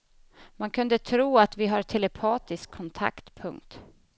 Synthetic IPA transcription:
mankʰɵnd̪ət̪ʰɾuːat̪vɪɦaʈʰɛlɛpʰɑːt̪ɪskʰːɔnt̪ʰa̰kt̪pʰɵŋkt̪

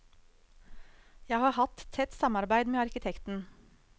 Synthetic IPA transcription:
jæɪhɑːhɑt̪t̪ʰːɛt̪sɑmɑɾbæɪd̪meːɑɾkɪt̪ʰɛkt̪n̩

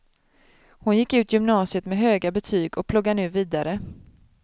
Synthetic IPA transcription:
hʊnjɪkːʉ̟ːt̪jʏmnɑːsɪət̪mɛɦøːɡabɛt̪ʰyːɡɔk̚pʰlʊɡːanʉ̟ːviːd̪aɾə

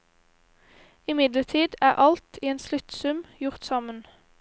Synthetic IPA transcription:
ɪmɪd̪lət̪ʰiːd̪æːʔɑlt̪ʰiːeːnslʉt̪sʉmjʊʁt̪sɑmən

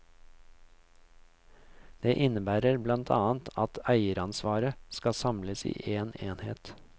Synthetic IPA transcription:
d̪̥eːʔɪnəbæːɾəɾblɑnt̪ʰɑ̰ːnt̪ʰɑt̪ʰæɪəɾɑnsʋɑːɾəskɑsɑmləsḭːʔeːneːnhḛːt̪

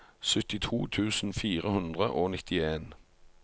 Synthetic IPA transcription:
sʏt̪ɪt̪ʰṵːt̪ʰʉːsn̩fiːʁəhʉnd̪ʁəʔoːnɪt̪ɪeːn

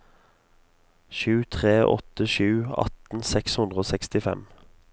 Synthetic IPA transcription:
ʃʉːt̪ʰʁeːʔɔ̰t̪əʃʉːɑ̰t̪n̩sɛkshʉnd̪ʁəoːsɛkst̪ɪfɛ̰m

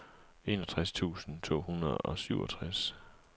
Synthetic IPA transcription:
e̝ːnɒt͡sʰʁast͡sʰṵːsn̩t͡sʰo̝̰ːhunʁɐðˠɒ̽syʊ̰ɒ̽t͡sʰʁas

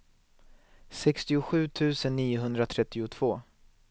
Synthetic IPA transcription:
sɛkst̪ɪʊɧʉ̟ːt̪ʰʉ̟ːsənːiːʊɦɵnd̪ɾat̪ʰɾɛt̪ːɪʊt̪ʰv̥oː

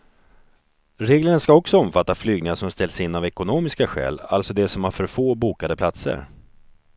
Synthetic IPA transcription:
ɾeːɡləɳənskaɔksɔɔmfat̪ːaflyːɡnɪŋaʂɔmst̪ɛlsɪnːavɛkʊnoːmɪskaɧɛ̰ːla̰lt̪sɔd̪ɛsɔmhaɾfœɾfoːbuːkad̪əpʰlat̪sə̰ɾ

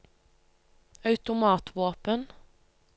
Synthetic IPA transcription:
ɑʉt̪ʊmɑːt̪ʰʋoːpən

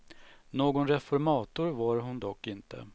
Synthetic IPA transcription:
noːɡʊnɾɛfɔɾmɑːt̪ʊɾvaɾɦʊnd̪ɔkːɪnt̪ʰə̰

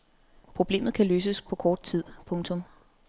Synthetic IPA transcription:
pʰʁo̝b̥le̝̰ːmð̞̩ˠkʰæløːs̬əspʰɒ̽kʰɒːd̥̚t͡sʰið̞̰ˠpʰɔ̽ŋt͡sʰɔ̽m

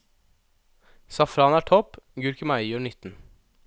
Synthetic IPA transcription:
sɑfɾɑːnæːʈʰɔpɡʉɾkəmæɪjøːɳʏt̪n̩

